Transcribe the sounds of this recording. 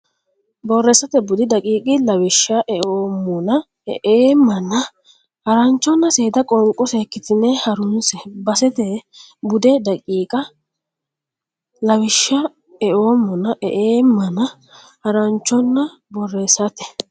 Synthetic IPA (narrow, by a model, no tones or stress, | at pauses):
bɔrːɛsɐt̪ɛbʊd̪ɪd̪ɐkʼiːkʼɪlɐwɪʃːɐʔɛʔoːmːʊnɐ | ɛʔeːmːɐnɐ | hɐɾɐnt͡ʃːɔnːɐseːd̪ɐkʼɔŋkʼːɔseːkːɪt̪ɪnːɛhɐɾʊnsɛbɐsɛt̪ɛ | bʊd̪ɛd̪ɐkʼiːkʼɐ | lɐwɪʃːɐ | ɛʔo̞ːmːɔnɐʔɛʔeːmːɐnɐ | hɐɾɐnt͡ʃːɔnːɐ | bɔrːɛsɐt̪ɛ̥